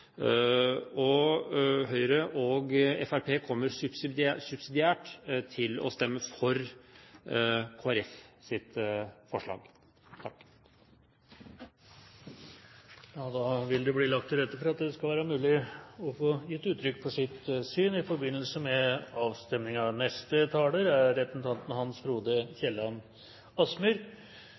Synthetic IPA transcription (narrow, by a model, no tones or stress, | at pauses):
ɔ | ɦœʏɾəʔɔɡɛfæɾpʰeːkʰɔmːəɾsʉpsɪæsʉpsɪd̪ɪæːʈt̪ʰɪlɔ̰st̪ɛmːəfɔɾ | kʰoːæɾɛfsɪt̪fɔʂɭɑ̰ːɡ | t̪ʰɑkː | jɑːd̪ɑʋɪld̪ɛbliːlɑkt̪ʰːɪlɾɛt̪ːəfɔɾɑt̪d̪ɛskɑlʋæːɾəmʉːlɪɔfoːjɪt̪ːʉːt̪ʰːɾʏkːpʰɔsɪt̪syːnɪfɔɾbɪnːəl̩səmɛɑːʋst̪ɛmnɪŋɑʋnɛst̪ət̪ʰɑːləɾæɾɾɛp̪nt̪ʰɑnt̪n̩hɑnsɾuːd̪əçɛlːɑm | ɑsmʉɾ